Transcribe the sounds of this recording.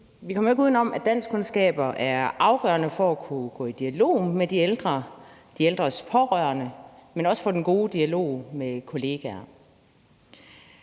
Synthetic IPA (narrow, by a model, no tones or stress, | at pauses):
ʋikʰɒ̽m̰ɐe̝ɡ̥uð̰ˠnɒ̽m̰ʔæd̥æn̰skʰonsɡ̥ɛ̰ːb̥ɐʔæɐʔɑ̈ʊɡ̥œɐnəfɒ̽ækʰuɡ̥ɔ̰̽ːid̥iælo̝̰ːmed̥ield̥ʁɐ | d̥ield̥ʁɐspʰɒ̽ʁœɐnəmenɒ̽sə̥fɒ̽d̥enɡ̥o̝ːd̥iælo̝̰ːmekʰo̝le̝ːɡ̥æɐ